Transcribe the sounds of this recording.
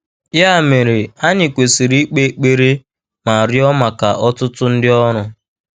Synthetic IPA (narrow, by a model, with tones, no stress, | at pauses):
ja˦˨me˨ɾe˨a˦ɲɪ˨kʷe˨si˨ɾi˦k͡pe˦k͡pe˦ɾe˦ | ma˨ɾɪ˦ɔ˦ma˨ka˨ʔɔ˦tʊ˦tʊ˦n̩˦dɪ˦ɔ˦ɾʊ˨